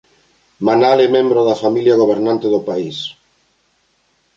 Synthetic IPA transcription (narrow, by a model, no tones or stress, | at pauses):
manalemẽmbɾʊðafamiljaɣ̞oβ̞eɾnant̪eðʊpais